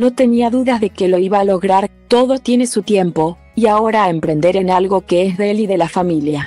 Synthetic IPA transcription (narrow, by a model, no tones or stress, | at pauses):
no̞t̪e̞niaðuðazðe̞ke̞lo̞iβalo̞ɣɾaɾt̪o̞ðo̞t̪je̞nesut̪je̞mpo̞ | iao̞ɾaempɾe̞nd̪e̞ɾe̞nalɣo̞ke̞esðeliðe̞lafamilja